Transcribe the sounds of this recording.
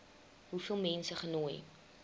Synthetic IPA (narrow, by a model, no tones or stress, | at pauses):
ɦufiəlˠmɛnsəχənoːj